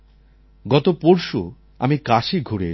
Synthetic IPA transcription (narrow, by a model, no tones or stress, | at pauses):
ɡɔt̪opoɾʃo | a̰mikaʃiɡʱuɾḛ